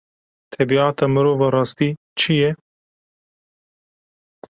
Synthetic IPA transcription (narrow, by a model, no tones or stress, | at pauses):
t̪ʰɛbiɑːt̪ɑːmɨɾoːvɑɾɑːst̪iː | t͡ʃʰijɛ